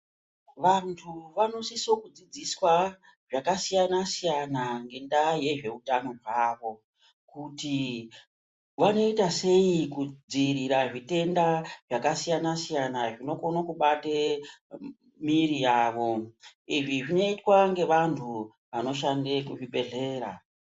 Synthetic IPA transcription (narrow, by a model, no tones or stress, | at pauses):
ʋantʰuʋano̞siso̞kud͡zid͡ziswa | ʐakasijanasijanaŋɡe̞ndaje̞ʐe̞utano̞rwaːʋo̞ | kuti | ʋano̞itase̞ikud͡ziriɾaʐite̞ndaʐ̥akasijanasijanaʐino̞ko̞nokuɓate | miɾijaːʋo̞iʐiʐino̞itwaŋɡe̞ʋantʰu | ʋano̞ʃande̞kuʐiɓe̞ɮe̞ːɾa̰